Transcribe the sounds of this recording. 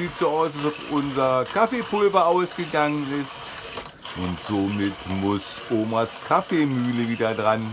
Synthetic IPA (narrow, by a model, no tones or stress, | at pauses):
ziːtz̥oːaʊsd̥asafʔʊnzɐkʰafeːpʊlvɐʔaʊsɡ̥əɡaŋənɪst | ʔʊntz̥oːmɪtmʊs | ʔoːmaskʰafeːmyːləviːdɐdʁan